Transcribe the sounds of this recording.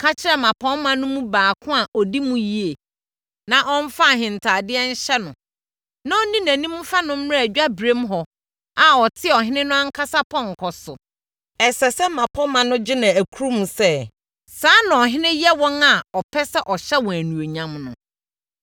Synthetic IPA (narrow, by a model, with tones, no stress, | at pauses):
kʰa˦t͡ɕʰɪ˦ɾɛ˦˨mã˨pʰɔ̃˦mã˦nʊ̃˦mũ˦baː˨kʰʊ̃˦a˨ʔɔ˨di˦mũ˦ji˦e˨ | nã˨ʔɔ̃˦n̩˦fa˦˨ɦɪ̃˨n˨tʰaː˨dɪ˦ɛ˦n̩˦ɕɛ˦nʊ̃˨ | nã˦ɔ˦nĩ˦næ̃˨nĩ˦mũ˦fa˦nʊ̃˦m̩˦˨æ˨d͡ʑᶣa˦bɾe˦mɦɔ˨ | a˨ɔ˨tʰɪ˦˨ɔ˨ɦɪ̃˦nɪ̃˦nʊ̃˦ã˦ŋ̩˦kʰa˦sa˦pʰɔ̃˦ŋ̩˨kʰɔ˨sʊ˨ | ɛ˨sɛ˨sɛ˦mːã˨pʰɔ̃˦mã˨nʊ̃˦d͡ʑɪ˦nã˨æ˨kʰu˦ɾu˦mũ˨sɛ˦ | saː˨˦nã˨ɔ˨ɦɪ̃˦nɪ̃˦jɛ˦wɔ̃˦na˨ɔ˨pʰɛ˦sɛ˦ʔɔ˨ɕɛ˦wɔ̃˨æ˨nũ˨o˨ɲã˨mnʊ̃˨